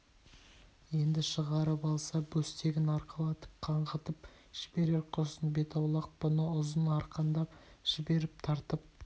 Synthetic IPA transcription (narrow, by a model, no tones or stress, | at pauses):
je̞nd̪ɪʃəʁɑɾəpɑlˠsɑbɵst̪e̞ɡʲɪnɑɾqʰɑlˠɑt̪ə̥p̚qʰɑɴʁət̪əp | ʒ̥ɪbe̞ɾe̞ɾqʰosənbe̞t̪ɑwlˠɑq̚b̥ʊnəʊzənɑɾqɑnd̪ɑpʒ̥ɪbe̞ɾɪp̚t̪ʰɑɾt̪əp̚